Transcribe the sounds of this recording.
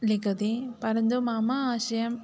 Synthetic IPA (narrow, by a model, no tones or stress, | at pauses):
likɐd̪ipɐɾɐnd̪umaːmaaːʃɐjɐm